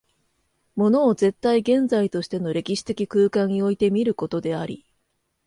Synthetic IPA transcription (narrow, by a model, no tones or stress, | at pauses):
mo̞no̞ːze̞t̪ːaiɡẽ̞nd͡zait̪o̞ɕi̥t̪e̞no̞ɾe̞kʲiɕi̥t̪e̞kʲikɯːkãɲːio̞it̪e̞mʲiɾɯ̟ko̞t̪o̞d̪e̞aɾʲḭ